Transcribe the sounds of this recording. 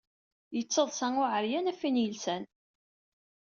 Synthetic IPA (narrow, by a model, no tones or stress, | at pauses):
jət͡sːəðˤsæŋʊʕəɾjænæfinjəlsæn